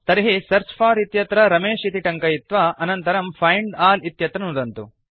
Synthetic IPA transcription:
t̪ɐɾiɦisɐɾt͡ʃpʰaːɾit̪jɐt̪ɾɐɾɐmeːʂit̪iʈɐŋkɐjit̪ʋɐʔɐnɐnt̪ɐɾɐmpʰɐjɳɖaːlit̪jɐt̪ɾɐnud̪ɐnt̪u

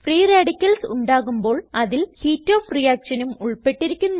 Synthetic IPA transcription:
friːreːɽikʲːɐlsuɳɖaːɣumbo̞ːɭɐðilhiːtːo̞ːfrijaːkʂɐnumuɭpe̞ʈːiɾikʲːunːu

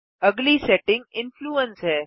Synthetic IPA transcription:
əɡliːseʈɪ̃ŋɡɪnfluːənsɦɛ

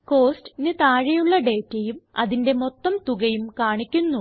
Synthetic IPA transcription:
ko̞ːsʈnɨt̪aːɻɐjuɭːɐɖe̞ːtːɐjumɐ̰ðinde̞mo̞t̪ːɐmt̪uɣɐjumkaːɳikʲːunːu

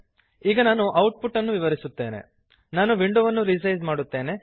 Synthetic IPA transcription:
iːɡɐnaːnuʔɐwʈ̚puʈːɐnːuʋiʋɐɾisut̪ːe̞ːnḛ | naːnuʋiɳɖuʋɐnːuɾid͡ʒɐjzmaːɽut̪ːe̞ːne̞

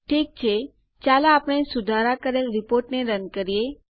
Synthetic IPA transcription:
ʈʰiːk̚t͡ɕʰe | t͡ɕjalaːpɽ̃ẽsʊd̪ʱaɾakəɾelɾipoɾʈneɾənkəɾije

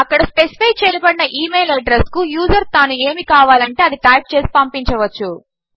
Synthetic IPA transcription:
ɐkːɐɽɐspesi̥pʰɐjt͡ʃeːlibɐɽinɐʔiːmejlɐɖɾeskujuːd͡ʒɐɾt̪aːnue̞ːmikaːʋaːlɐɳʈe̞ːɐd̪iʈɐjp̚t͡ʃe̞ːsi̥pɐmpiɲt͡ʃɐʋɐt͡ʃːu

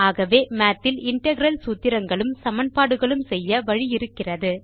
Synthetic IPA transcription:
aːɣɐʋeːmaːt̪ːɪlɪɳʈɐɣɪɾɐlsuːt̪ːɪɾɐŋɡɐɭɯmsɐmɐnpaːɽɯɣɐɭɯmsɛjːɐʋɐɻijɪɾɯkːɪrɐðɯ

